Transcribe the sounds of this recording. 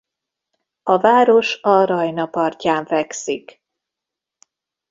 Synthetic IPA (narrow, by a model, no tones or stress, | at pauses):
ɒvaːɾo̞ʃɒɾɒjnɒpɒrcaːɱvɛksik